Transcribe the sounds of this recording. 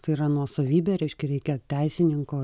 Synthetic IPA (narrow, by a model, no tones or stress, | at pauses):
t̪ɐɪiːɾɐnuɔsoːʋʲiːbʲeːɾʲɛɪʃkʲɛɾʲɛɪkʲɛt̪ʲɛɪsʲɪnʲɪŋkoː